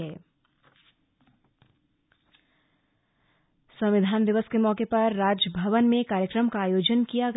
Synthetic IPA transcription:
ɛː | sɐ̃mʋɪd̪ʱaːnd̪ɪʋəskemɔːkepɐɾːaːd͡ʒəbʱɐʋənmẽkaːɾjəkɾəmkaːjoːd͡ʒənkijaɡ

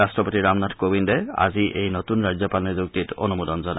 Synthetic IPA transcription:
astɹɔpotiɹamnadkobindɛa̰ziʔejnotunɹazɔpalnizuk̚titɔ̰numudɔnzɔna

